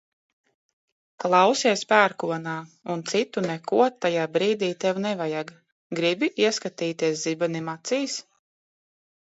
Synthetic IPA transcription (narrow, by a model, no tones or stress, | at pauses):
klˠɑwsiɛspʲæːɾkuɔnaː | unt̪sit̪unɛkuɔt̪ːajaːbɾiːd̪iːt̪ɛwnɛvajaɡ | ɡɾibiʔiɛskat̪iːt̪iɛs̬zibanimat̪siːs